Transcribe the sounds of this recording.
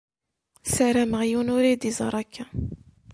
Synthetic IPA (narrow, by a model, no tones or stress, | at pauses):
saɾæməʁjunuɾid̪izˤɑ̰ɾˤɑkʰːæ